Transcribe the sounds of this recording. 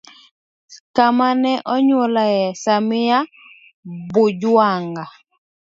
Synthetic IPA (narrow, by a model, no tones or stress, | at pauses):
kamanɛʔɔɲwɔlajɛsamɪja | bʊd͡ʒwwaŋɡa